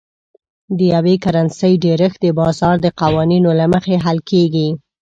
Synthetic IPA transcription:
d̪əjawekaɾansəjɖeɾəxd̪əbɑzɑɾd̪əqawɑninolaməxeɦalkeɡi

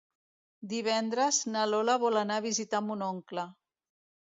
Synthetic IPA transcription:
d̪iβ̞ɛnd̪ɾəznəlolaβɔlanaβizit̪ambunoŋklə

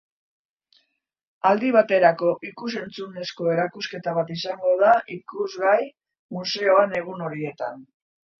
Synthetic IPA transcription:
ald̪iβ̞at̪e̞ɾako̞ʔikuse̞nt͡sune̞sko̞e̞ɾakuske̞t̪aβ̞at̪isaŋɡo̞ð̞aʔikuzɣaj | muse̞o̞ane̞ɣ̞uno̞ɾie̞t̪a̰n

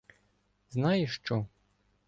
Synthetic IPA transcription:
znɑjɛʃt͡ʃɔ

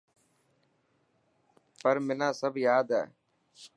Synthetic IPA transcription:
pəɾmɪnãːsəbʱjaːd̪ɛ̰ː

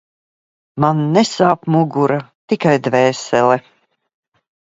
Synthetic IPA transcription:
manːɛsaːpmuɡuɾat̪ikajd̪vɛːsɛlɛ

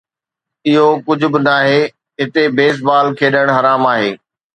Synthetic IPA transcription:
ɪɦokʊd͡ʑʱʊ̆bɪnaːɦeː | ɦɪt̪ebeːs̬baːlkʰeːɗəɽ̃ɦɐɾaːmaːɦeː

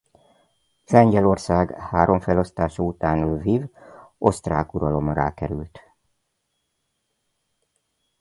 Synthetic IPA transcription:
sɛɲɟɛlo̞rsaːɡhaːɾʔo̞ɱfɛlo̞st̪aːʃɒut̪aːnvivo̞st̪raːkuɾɒlo̞mɾa̰ːkɛɾylt̪

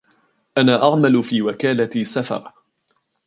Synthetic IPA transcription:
ʔanaːʔɑʕmalfiːwakaːlasafɑ̰ɾˤ

